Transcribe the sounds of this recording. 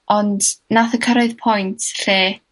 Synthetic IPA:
ɔndnaθəkʰəɾaɨðpʰɔjntʰɬeː

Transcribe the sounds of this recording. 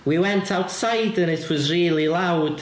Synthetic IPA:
wiwɛ̃ntʰawtsaɪdə̃nɪtʰwɒzɹiːlˠilˠawd̥

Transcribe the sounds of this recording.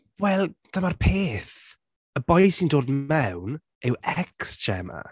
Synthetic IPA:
wɛlˠd̥amarpʰeːθ | əbɔjjsindoːdmɛwn | ɪwɛksd͡ʒɛ̰ma̰

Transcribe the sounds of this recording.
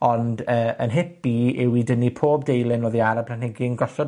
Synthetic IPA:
ɔndəːʔənɦɪpiɪwidənːipʰoːbdejlˠɪnoːðiaɾabʰlan̥hɛɡɪnɡɔɬɔ

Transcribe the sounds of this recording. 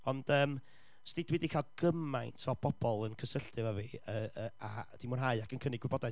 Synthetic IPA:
ɔnd̥əːm | stɪdwɪdikʰaːlˠɡ̥əmajntʰɔb̥ɔb̥ɔlˠənkʰəsəɬtɨvaviəəad̥imʊnɦaɨakʰənkʰənɪɡwɪbɔdaj

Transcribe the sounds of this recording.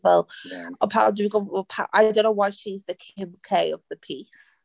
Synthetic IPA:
wɛlˠəpʰaʊdbiɡopʰaʔaɪdõʊ̃nːoʊwaɪʃizðɨkʰɪ̃mkʰeɪʌvðɨpʰis

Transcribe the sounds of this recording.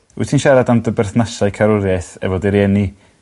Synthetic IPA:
ṵtʰinʃɛɾadandəbɛrθnasaɨkʰaɾʊɾjaɨθɛ̰vɔdɪɾɛni

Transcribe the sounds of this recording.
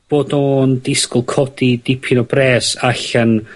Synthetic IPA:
b̥oːdoːndɪskʊlˠkʰɔd̥idɪpʰɪnɔbrɛːsaɬən

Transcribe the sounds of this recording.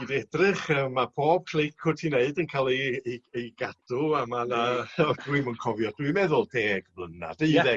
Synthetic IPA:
idɛdrɪχəːmːapʰoːb̥̚kʰl̥ekʰʊtʰineɨdənkʰalˠeejɡ̥ad̥ʊamanaɔduɨmənkʰɔvjɔd̥uɨmɛðʊlˠdʰeːɡvlˠəna̰d̥eɨðɛ

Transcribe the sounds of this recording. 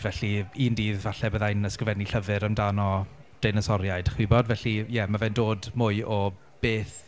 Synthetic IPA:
vɛɬiiːndiːðvaɬɛbəðajnəskrɪvɛniɬəvɨɾəmdanɔd̥ejnəsɔɾjaɨjd̥χwɪbɔdvɛɬijɛmavɛndoːdmʊɨʔɔ | b̥eːθ

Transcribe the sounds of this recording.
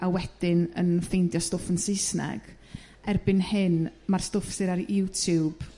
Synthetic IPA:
awɛd̥ɪnə̰nfejndjɔstɔfənsɪsna̰ɡ̥ | ɛrbɪnhɨnmarstʊfsɨɾaɾɪwtʰub̥

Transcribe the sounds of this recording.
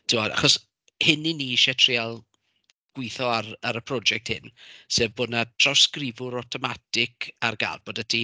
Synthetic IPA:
d̥ʰɪwɔda̰χɔs | hɪniniʃɛtʰr̥ialˠ | ɡ̥wɪθɔaɾaɾəpʰrɔd͡ʒɛk̚tʰhɪ̰nseːvbʊːdnatʰr̥awskrɪvʊɾɔtʰɔmatɪkʰarɡa̰lb̥oːdətʰi

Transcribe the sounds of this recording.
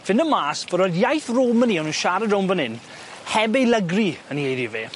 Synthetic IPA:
vɪnəmaːsv̥əɾɔjdjajθroːməniːɔnunʃaɾədəwnbənɪn | hɛbejlˠəɡriəniejðiveː

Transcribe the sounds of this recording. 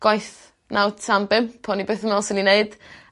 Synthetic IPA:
ɡ̥ajθ | nawtʰambɪmpʰɔnibeːθəmalˠsənineɨd̥

